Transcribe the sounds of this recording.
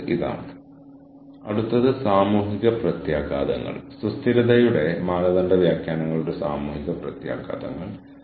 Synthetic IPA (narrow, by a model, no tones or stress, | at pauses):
iða̰ːɳɨ | ɐ̰ɽut̪ːɐðɨsaːmuːɦiɣɐprɐt̪jaːɡaːd̪ɐ̰ŋːɐ̰ɭsust̪ʰiɾɐðɐjuɽe̞maːlɐðɐnɖɐʋjaːkjaːnɐŋːɐɭuɽe̞saːmuːhiɣɐprɐt̪ja̰ːɡa̰ːd̪ɐ̰ŋːɐɭ